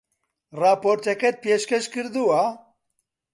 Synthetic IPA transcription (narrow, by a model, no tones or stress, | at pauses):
raːpoɾt̪ɛkɛt̪̚peːʃkɛʃkɨɾd̪uwa